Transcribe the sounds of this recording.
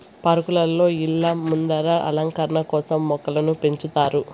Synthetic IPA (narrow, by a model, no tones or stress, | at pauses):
pɐɾɐkulɐlːo̞ːilːɐmːund̪ɐɾɐʔɐ̰lɐŋkɐɾɐɳɐkɔːsɐmːɔkːɐlɐnupe̞ɲt͡ʃut̪aːɾu